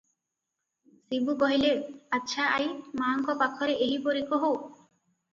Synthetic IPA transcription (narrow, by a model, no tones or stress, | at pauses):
sibubɔɦileɾatːʃʰaajmaŋkɔpakʰːɔɾeeɦipoɾikoɦo